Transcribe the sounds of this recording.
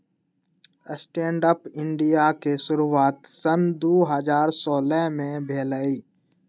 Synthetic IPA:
əsʈẽːɳɖəpɪɳɖijakesʊɾuaːt̪sənd̪oːɦəzaːɾsɔːlɛɦmẽbʱeːləiː

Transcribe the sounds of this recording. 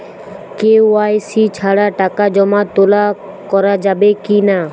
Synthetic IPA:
kewajsit͡ɕʰaɽaʈakad͡ʑɔmat̪ola | kɔɾad͡ʑabekina

